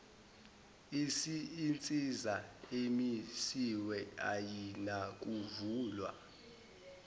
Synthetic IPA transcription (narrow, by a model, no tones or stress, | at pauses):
isiːnt͡sʼizaemisiwɛajinak̬ʼuvuːlwa̰